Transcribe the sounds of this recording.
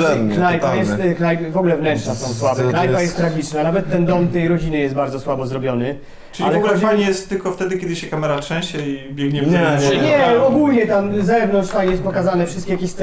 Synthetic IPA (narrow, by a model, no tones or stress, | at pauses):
ɛknnajpajɛst̪knajpvɔɡulɛvnɛnt͡ʂnasɔ̃w̃swabɛknajkpajɛst̪t̪ːɾaɡʲit͡ʂnanavɛt̪ːɛnd̪ɔmt̪ɛjɾɔd͡ʑinɘjɛst̪baɾd̪zɔswabɔzɾɔbʲjɔnɘ | t͡ʃɪailɛɡlɛajɲɛjɛst̪t̪ːɘlkɔft̪ɛd̪ɘkʲɛd̪ɘɕɛkamɛɾatʂɛ̃w̃ɕɛibʲjɛɡɲɛvɛɲɛɔɡulɲɛt̪amzɛvnɔntt͡ʂt̪ajɛst̪̚pɔkazanɛfʂɘst̪kʲɛjakʲeɕs